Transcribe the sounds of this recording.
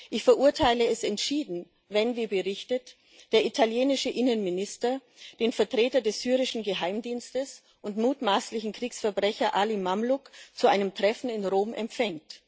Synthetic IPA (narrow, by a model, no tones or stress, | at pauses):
ʔɪçfɛɐʔʊɐtʰaɪləɛsɛntʃiːdn̩ | vɛnviːɐbəʁɪçtət | d̥eːɐʔitʰaljeːnɪʃəʔɪnənmɪnɪstɐd̥eːnfɛɐtʁ̥eːtɐdɛsz̥yːʁ̞ɪʃn̩ɡəɦaɪmdiːnstəs | ʔʊntmuːtmaːslɪçn̩kʁ̥iːksfɛɐbʁɛçɐʔaːlimamlʊkt͡suʔaɪnəmtʁ̥ɛfn̩ɪnʁoːmʔɛ̰mpfɛŋt